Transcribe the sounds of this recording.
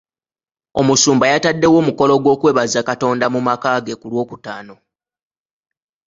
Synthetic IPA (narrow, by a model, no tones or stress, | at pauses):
o̞musuːmbajatadːe̞wo̞ːmuko̞lo̞ɡwo̞ːkweːβazakato̞ːndamumakaɡe̞kulwo̞ːkutaːno̞